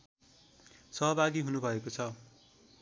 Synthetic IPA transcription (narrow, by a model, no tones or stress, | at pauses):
sʌɦʌbʱaɡiɦunubʱʌekot͡sʰʌ